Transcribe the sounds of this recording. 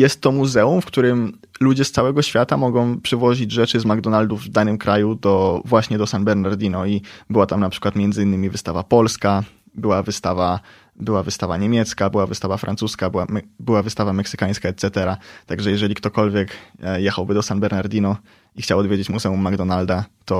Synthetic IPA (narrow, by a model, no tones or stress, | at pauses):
jɛst̪ːɔmuzɛumfkt̪uɾɘm | lud͡ʑɛst̪sawɛɡɔɕfʲjat̪amɔɡɔ̃w̃pʂɘvɔʑid͡ʑʐɛt͡ʂɘzmaɡd̪ɔnald̪uvd̪anɘmkɾʔajud̪ɔvwaɕɲɛd̪ɔsanbɛɾnaɾd̪ʲinɔibɘwat̪amnapʂɘ̥kwat̪mʲjɛnzɘinːɘmʲivɘst̪avapɔlska | bɘwavɘst̪ava | bɘwavɘst̪avaɲemʲjɛt̪skabɘwavɨst̪avafɾʔa̰nsuskabwabɘwavɘst̪avamɛksɘ̥kaj̃skaɛt̪sɛt̪ɛɾat̪aɡʐɛjɛʐɛlʲikt̪ɔkɔlvʲjɛkjɛxawbɘd̪ɔsanbɛɾnaɾd̪ʲinɔ | ixt͡ɕawɔd̪vʲjed͡ʑet͡ɕmuzɛumːaɡd̪ɔnald̪at̪ɔ